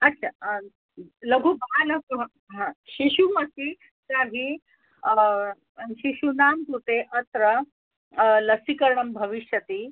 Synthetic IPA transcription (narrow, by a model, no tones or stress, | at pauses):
ɐtːɕʰa | ləɡʱubalɐɡuɦ | ɦãɕiɕuməsi | t̪aɦi | ɕiɕunamt̪ut̪eʔət̪ɾə | ləsikəɾɳɐmbʱəʋiɕjət̪iː